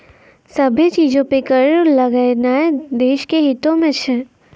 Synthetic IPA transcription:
sɐbʱit͡ʃiːd͡ʒõpekəɾlɐɡanaːed̪eːʃkeɦɪt̪õmẽt͡ʃʰɛ

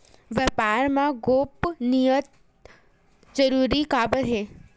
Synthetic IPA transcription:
ʋɛpaːɾmãɡoːpnijət̪̚ | d͡ʒəɾuːɾikaːbəɦeː

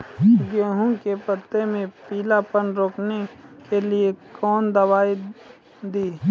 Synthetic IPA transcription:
ɡeːɦũkepət̪ːemẽpiːlapənɾoːknekeliekɔːnd̪əʋaːi | d̪iː

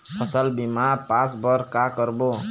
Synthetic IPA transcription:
pʰʌsəlbimapãsbʌɾkakəɾbo

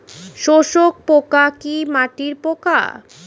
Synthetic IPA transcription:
ʃoʃok̚pokakimaʈiɾpoka̰

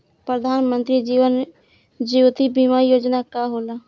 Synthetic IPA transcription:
pɾəd̪ʱaːnmə̃nt̪ɾid͡ʒiːʋən | d͡ʒuwt̪ibimajoːd͡ʒnakaɦola

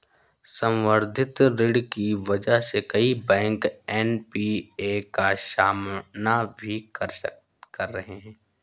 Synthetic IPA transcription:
sə̃wʋəɾd̪ʱɪt̪ɾɪɖkiʋɐd͡ʒəɦsekɐibɛ̃ːŋkɛːnpiːekaʃaːmnabʱikɐɾʃə | kɐɾːɐɦeɦɛ̃ː

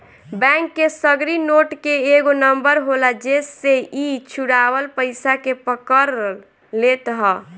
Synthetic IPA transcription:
bɛ̃ŋkːesəɡɾinoʈkeːɡonəmbəɾɦolad͡ʒesːeit͡ʃʰuɽawəlpəɪsakepəkəɾ | let̪ɦə

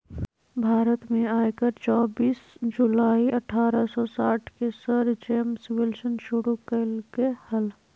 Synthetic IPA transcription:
bʱaːɾət̪mẽaːjkəɾt͡ʃɔːbiːsd͡ʒulaːiʔəʈʰaːɾəsɔsaːʈʰkesəɾd͡ʒeːmswelsənʃuɽukəlkehəl

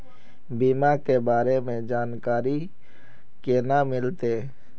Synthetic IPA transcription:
biːmakebaːɾemẽd͡ʒaːnkaːɾi | kenamɪlt̪eː

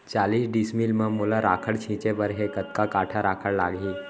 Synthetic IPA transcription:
t͡ɕaliːsɖismilməmulaɾakʰəɽt͡ɕʰĩt͡ɕeʋəɾɦekət̪kakaʈʰaɾakʰəɽla̰ɡiː

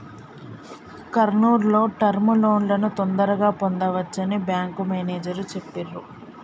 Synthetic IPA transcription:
kɐɾnuːɾlo̞ːʈɐɾmulo̞ːnlɐnut̪ond̪ɐɾɐɡaːpond̪ɐʋɐt͡ʃːɐnibjaːŋkumeːneːd͡ʒɐɾut͡ʃe̞pːiɾːu

